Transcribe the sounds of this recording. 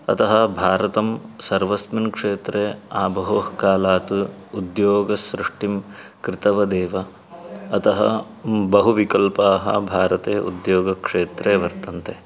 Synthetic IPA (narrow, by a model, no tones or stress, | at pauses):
ɐt̪ɐɦɐbʱaːɾɐt̪ɐmsɐɾʋɐsminkʂeːt̪ɾeːaːbʱɐɦoːɦkaːlaːt̪uːd̪joːɡɐsɾɪʂʈim | kɾɪt̪ɐʋɐd̪eːʋɐ | ɐt̪ɐɦɐ̰ | bɐɦuʋikɐlpaːɦɐ̰bʱaːɾɐt̪eːʔṵd̪joːɡɐkʂeːt̪ɾeːʋɐɾt̪ɐnt̪e